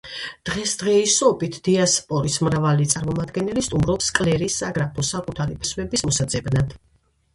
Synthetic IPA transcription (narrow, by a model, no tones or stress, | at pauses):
d̪̥ʁɛsd̪̥ʁɛisɔbit̪ʰd̪̥iaspʼɔɾismɾavalit̪sʼaɾmɔmad̪ɡɛnɛlist̪ʼumɾɔpskʼlɛɾisːaɡɾapʰɔsakʼut̪ʰaɾipʰisvɛbismɔsad̪zɛbnad̪̥